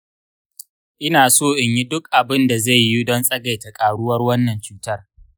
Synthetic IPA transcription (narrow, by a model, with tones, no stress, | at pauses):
ʔɪ˦naː˨soː˦˨ʔɪ˨ɲji˦dʊ˦k̚ʔa˨bɪ˦nda˨za˦˨jːi˦dɔ˦nsʼɐ˦ɡa˨jta˨kʼaː˨ɽʊ˦wɐ˦rwɐ˦nːɐ˨nt͡ʃuː˦tɐ˦r